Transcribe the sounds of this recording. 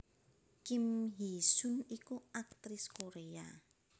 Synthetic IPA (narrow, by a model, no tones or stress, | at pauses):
kimɦisunikuak̚t̪ɾɪskoɾea